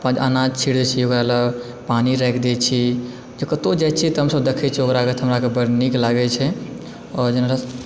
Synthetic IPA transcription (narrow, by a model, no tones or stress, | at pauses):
pãd͡ʒanad͡ʒt͡ʃʰiɽd̪ɛt͡ʃʰiokɾalə | paniɾɛkʰd̪ɛt͡ʃʰi | d͡ʒekət̪od͡ʒajt͡ʃʰit̪ɦəmsəbd̪ekʰɛt͡ʃʰiokɾaket̪ɦəmɾakebəɾniklaɡɛt͡ʃʰɛ | ɔɾd͡ʒənɾa